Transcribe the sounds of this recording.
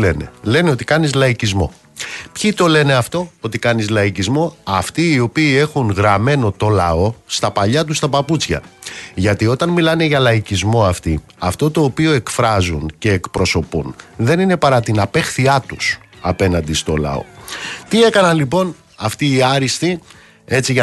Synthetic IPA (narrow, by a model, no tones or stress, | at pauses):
le̞ne̞le̞neo̞t̪i̥kɐnizlɐicizmo̞̰ | pçit̪o̞le̞ne̞ɐft̪o̞ot̪ikɐnizlɐicizmo̞ɐft̪iːo̞piːe̞xunɣɾɐme̞no̞t̪o̞lɐo̞st̪ɐpɐʎɐt̪̬ust̪ɐpɐput͡sçɐ̰ʝɐt̪io̞t̪ɐnmilɐne̞ʝɐlɐicizmo̞ɐft̪i | ɐft̪o̞t̪o̞ːpioe̞kfɾɐzunce̞ːkpɾo̞so̞punðe̞nine̞pɐɾɐt̪inɐpe̞xθiɐt̪usɐpe̞nɐnd̪ist̪o̞lɐ̰o̞̰t̪ie̞kɐnɐnlipo̞n | ɐft̪iːɐɾist̪i | e̞t͡siʝɐ